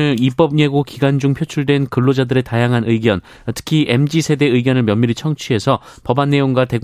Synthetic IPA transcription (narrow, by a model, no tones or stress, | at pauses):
ɯip͈ʌb̚ɲeɡokiɡand͡ʑuŋpʰjot͡ɕʰuɭdwe̞nkɯɭːod͡ʑadɯɾe̞tajaŋɦanɯiɡjʌn | tʰɯ̥kʰiʔe̞md͡ʑisʰe̞de̞ɯɡjʌnɯɭmjʌmːiɾit͡ɕʰʌŋt͡ɕʰie̞sʰʌ | pʌbanːe̞joŋɡwate̞ɡ